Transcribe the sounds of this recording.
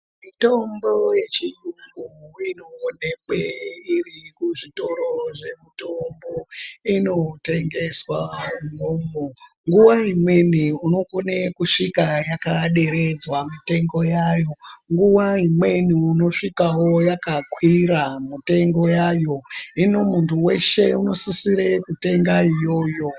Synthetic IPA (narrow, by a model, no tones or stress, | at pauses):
mito̞mbo̞je̞t͡ʃijuŋɡuino̞ːne̞keirikuʐito̞ɾo̞ʐe̞mito̞mbo̞ino̞te̞ŋɡe̞swaŋoːmo | ŋɡuwaimwe̞niuno̞konekuʂikajakaɗe̞ɾe̞d͡zwamite̞ŋɡo̞jajo̞ŋɡuwaimwe̞niːno̞ʂikawo̞jakakwiɾamite̞ŋɡo̞jaːjo̞ino̞muntʰuwe̞ʃe̞uno̞sisiɾekute̞ŋɡaijo̞ːjo̞